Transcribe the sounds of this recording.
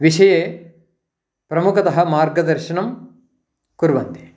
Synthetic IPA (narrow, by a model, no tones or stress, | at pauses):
ʋiʃɐjeː | pɾɐmukɐt̪ɐɦɐ̆maːɾɡɐd̪ɐɾʃɐɳɐm | kuɾʋɐnt̪i̥